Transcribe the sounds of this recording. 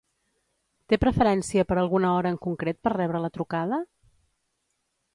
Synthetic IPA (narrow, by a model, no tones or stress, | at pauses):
t̪epɾəfəɾɛnsiəpəɾəlˠɣunəɔɾəːŋkuŋkɾet̪̚pərrɛβ̞ɾələt̪ɾukað̞ə